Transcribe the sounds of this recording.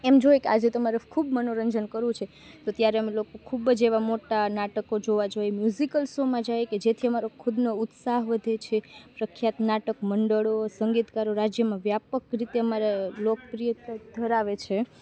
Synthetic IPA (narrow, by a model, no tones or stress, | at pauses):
emd͡ʒojekead͡ʒet̪əmaɾekʰubmənoɾəɲd͡ʒənkəɾũt͡ʃʰe | t̪ot̪jaɾeəmelokokʰubəd͡ʒeʋamoʈanaʈəkod͡ʒoʋad͡ʒojemjuzikəlsomãd͡ʒajked͡ʒet̪ʰiəmaɾokʰud̪nout̪saɦʋəd̪ʱet͡ʃʰepɾəkʰjat̪naʈəkməɳɖəɭosəŋɡit̪kaɾoɾad͡ʒjəmãʋjapəkɾit̪eəmaɾelok̚pɾijət̪əd̪ʱəɾaʋet͡ʃʰe